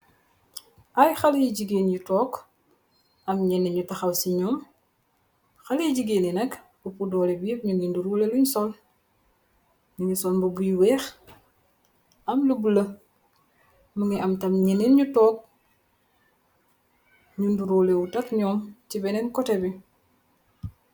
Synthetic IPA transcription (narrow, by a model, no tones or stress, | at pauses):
ʔɐjxɐljiɟiɡeːnɲutɔːk | ʔɐmɲɛnɛɲutɐxɐwsiɲɔːm | xɐliɟiɡeːninɐk | bupudɔːlɛbipɲuninduɾuːleluɲsɔl | niɲusɔlbɐbujiwɛːx | ɐmlubulɐ | muŋiʔɐmtɐmɲɛnenɲutɔːk̚ | ɲunduɾuːlewutɐkɲɔːmtibɛnɛnkɔtɛbi